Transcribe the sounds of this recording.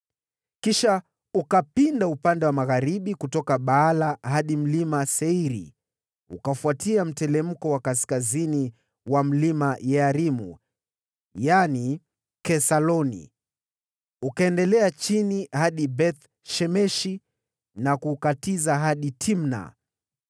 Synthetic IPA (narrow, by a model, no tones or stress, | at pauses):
kiʃa | ukapindaupandɛwamaɣaɾiɓikutɔkaɓaalahaɗim̩limasɛiɾḭ | ṵkafuatiam̩tɛlɛm̩kɔwakaskazini | wam̩limajɛaɾimṵ | jani | kɛsalɔnḭ | ukaɛndɛlɛat͡ʃinihaɗibɛθ | ʃɛmɛʃi | nakuːkatizaɦaɗitʰimna̰